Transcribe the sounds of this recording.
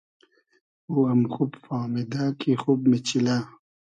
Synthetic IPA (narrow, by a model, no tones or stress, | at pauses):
uɐmxubfaːmid̪aːkʰixubmet͡ɕila